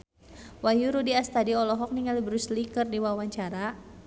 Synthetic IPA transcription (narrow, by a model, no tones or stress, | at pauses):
wajuɾudiast̪adiɔlɔɦɔk̚niŋalibɾuslikərdiwawaɲt͡ʃaɾa